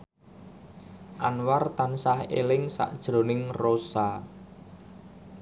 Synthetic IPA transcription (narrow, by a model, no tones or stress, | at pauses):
ʔanwart̪ansahḛlɪŋsa̰ʔd̥ʒ̥ɾonɪŋrosa